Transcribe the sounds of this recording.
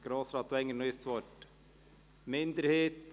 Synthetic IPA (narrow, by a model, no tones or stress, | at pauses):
ɡ̥ɾoːsɾɑːt̪ːɛŋːənoɪst͡sʋɔt | mɪnd̪əɾheːt̪